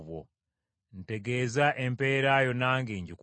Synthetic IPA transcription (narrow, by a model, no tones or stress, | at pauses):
βwo̰ | n̩te̞ɡe̞ːzaʔe̞mpe̞ːɾajo̞naːŋɡeːɲɟik